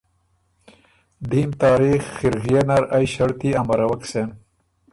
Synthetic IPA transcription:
d̪iːmt̪ɑːɾixːiɾɣijenɐɾɐjɕɐɾt̪iɐmɐɾɐwɐksen

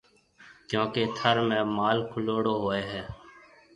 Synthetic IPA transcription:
kjõːkeːt̪ʰəɾmẽːmaːlkʰʊloːɽoːɦoːeːɦɛː

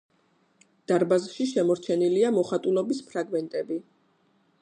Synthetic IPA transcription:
d̪̥aɾbazʃiʃɛmɔɾt͡ʃʰɛniliamɔχat̪ʼulɔbispʰɾaɡmɛnt̪ʼɛbi

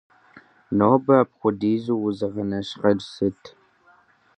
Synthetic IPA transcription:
noːbɐpχʷʊdiːzuːwʊzɐʁɐnɐɕqɐrsɨtʰ

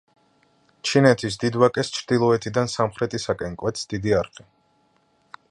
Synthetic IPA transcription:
t͡ʃʰinɛt̪ʰis̬d̪id̪wakʼɛst͡ʃʰɾd̪ilˠɔɛt̪ʰid̪ansamχɾɛt̪ʼisakʼɛnkʼwɛt̪sd̪̥id̪iaɾχʼi

